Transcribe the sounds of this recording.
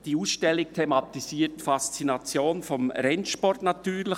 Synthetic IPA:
d̥iuːsʃtɛlɪktʰemɑtisiːətfast͡sinɑt͡sjoːnfɔmɾɛnʃpɔrtnat̪yːɾlə

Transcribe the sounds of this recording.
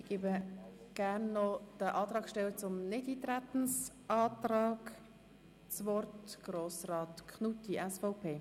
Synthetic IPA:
ɪɡ̥eːbə | ɡ̥æɾnːɔd̥əʔɑːt̪ʁɑːkʃtɛlət͡sʊmnɪdiːt̪ɾæt̪n̩s | ʔɑːt̪ɾɑːɡ | t͡sʋɔrtɡ̥roːsrɑːtkʰχnut̪iʔɛsfɔʊpʰeː

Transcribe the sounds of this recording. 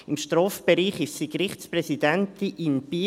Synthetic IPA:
ɪmʃtrɔːfb̥eɾiːχɪʃsikrɪχtsprɛsid̥ɛntiʔɪnb̥iː

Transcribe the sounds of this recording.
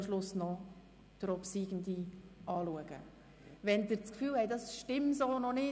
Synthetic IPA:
mʃlʊsnɔ | d̥ɾɔpsiːɡəndiʔɑːluəɡ̥ə̰ | ʋɛndɪɾt͡skfyːlhɛjdɑsʃtɪmsɔlnɔnɪ

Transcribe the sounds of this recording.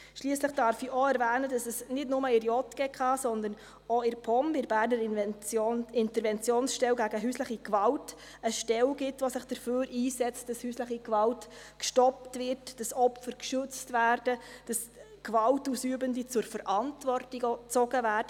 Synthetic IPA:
ʃliːəsləχd̥ɑɾfiʔoɛɾvæːnədɑsɛsnɪdnʊməɪɾjɔtɡ̥ɛkχɑːsɔnd̪əɾn | oɪɾpʰɔmɪɾbæːɾnəɾoɪntəɾvɛnt͡sjoːnsʃtɛlwɡæɡəɦyːsləχikʋɑlt | əʃtɛwɡɪtʋosɪχd̥əɾføːɾiːsɛt͡stdɑshyːsləχikvɑlt | kʃtɔptvɪɾtd̥ɑsɔpfəɾkʃʏt͡stvæːrd̥əd̥ɑs | kʋɑltuːsyːbəndit͡sʊɾfəɾʔɑntvɔrtiɡt͡sɔɡəvæːɾdə

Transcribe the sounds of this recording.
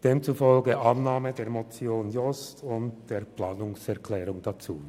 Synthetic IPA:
d̥eːmt͡sufɔlɡəʔɑnnaːmədeːɐmɔt͡sjoːnjɔstʰʊntd̥eːɐplaːnʊŋsɛɐkʰlɛːʁʊŋd̥at͡sṵː

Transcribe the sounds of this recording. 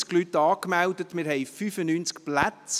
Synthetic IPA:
sklytːɑːkmældətmɪɾɦɛɪfyfənyːnt͡skplæt͡s

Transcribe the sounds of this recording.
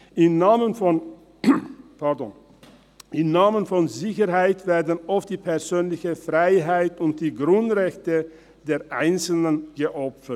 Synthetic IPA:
ʔɪmnaːmənfɔn | pʰɛɐdɔn | ʔɪmnaːmənfɔnzɪçəɾɦaɪtv̥eːɐdn̩ɔft̚d̥iːpʰɛɐzøːnlɪçəfʁ̥aɪɦaɪtʊnt̚d̥iːɡʁʊntʁɛçtə | d̥eːɐʔaɪnt͡sl̩nənɡəʔɔpfəɐt

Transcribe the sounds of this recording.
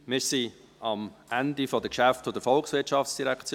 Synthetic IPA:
mɪɾsi | ɑmʔændifɔdəkʃæftfod̥̪əɾfɔlksvɪtʃɑfsd̥iɾɛkt͡s

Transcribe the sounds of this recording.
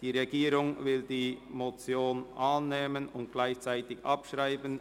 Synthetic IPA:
d̥iːʁeɡiːʁʊŋvɪldiːmot͡sjoːnʔaːnːeːmənʊntɡ̥laɪçt͡saɪtɪçɑpʃʁaɪbən

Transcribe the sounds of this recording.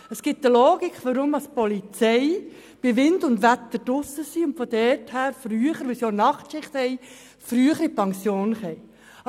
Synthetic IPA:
əsɡ̥ɪt̚dəloːɡikχʋɔɾʊmɑspɔlit͡sɛɪ | b̥ɪʋɪndʊndʋæt̪əɾd̥ʊsːəsiʊntfɔd̥ɛthæːɾfryːəχəɾʋɪsjonɑχtʃɪχthɛɪ | fɾyːəχəɾipɑŋsjoːnχɛɪ

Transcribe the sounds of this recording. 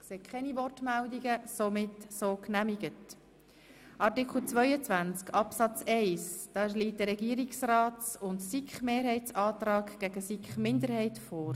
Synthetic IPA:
kseːkʰχɛnivɔrtmældiɡəsomɪtsoːknæmiɡət | ʔɑɾtikχl̩t͡sʋœʏət͡sʋænt͡skʰɑpsɑt͡sɛɪsd̥ɑːliːt̚dəɾɛɡiːɾiksrɑːtt͡sʊntsikχmeːɾɦhɛɪtt͡sɑːtɾɑːkɡ̥æɡəsikχmɪndəɾhɛɪtfoːɾ

